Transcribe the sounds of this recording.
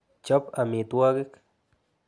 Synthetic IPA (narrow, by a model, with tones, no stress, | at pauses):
t͡ʃo˦pa˨mi˨t̪wa˦ɡe˦k